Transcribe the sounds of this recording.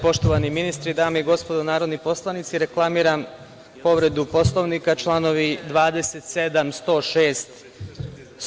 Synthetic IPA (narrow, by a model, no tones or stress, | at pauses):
po̞ʃt̪oʋaniminist̪ɾid̪aːmeiɡo̞spod̪onaːɾo̞d̪nipo̞slˠanit̪siɾeklˠamiːɾam | po̞ʋɾe̞d̪upo̞slˠo̞ʋnikat͡ʃlˠano̞ʋid̪ʋaːd̪e̞set̪se̞d̪amst̪o̞ːʃeːst̪